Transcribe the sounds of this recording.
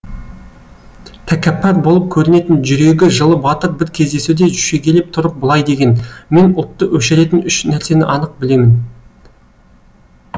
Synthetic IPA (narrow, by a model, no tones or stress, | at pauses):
t̪ʰækʲæpːæɾbo̞lˠəp̚kʲʰɵɾɪne̞t̪ɪnʒʏɾe̞ɡʲɪʒəlˠəbɑt̪əɾbɪɾkʲʰe̞zd̪e̞sud̪e̞ʒʏʃe̞ɡʲe̞lep̚t̪ʰʊɾəq̚bʊlˠɑjd̪e̞ɡʲe̞nme̞nʊt̪ːəwʔɵʃeɾe̞t̪ɪnʏʃnæɾse̞nɪʔɑnəq̚bɪle̞mɪn